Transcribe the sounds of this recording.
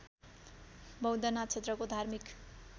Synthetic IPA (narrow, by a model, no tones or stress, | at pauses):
bʌwd̪ʌnat̪̚t͡sʰet̪rʌkod̪ʱarmik